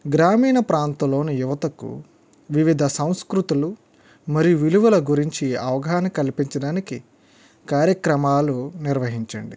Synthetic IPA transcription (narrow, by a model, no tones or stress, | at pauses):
ɡɾaːmiːnɐpɾaːnt̪ɐlo̞ːnijuʋɐt̪ɐkṵ | ʋiʋid̪ʱɐsɐ̃w̃skɾut̪ulu | mɐɾijuʋiluʋɐlɐɡuɾiɲt͡ʃiɐʋɐɡɐɦɐnɐkɐlpiɲt͡ʃɐɽaːniki | kaːɾjɐkɾɐmaːluniɾʋɐɦiɲt͡ʃɐ̰ɳɖi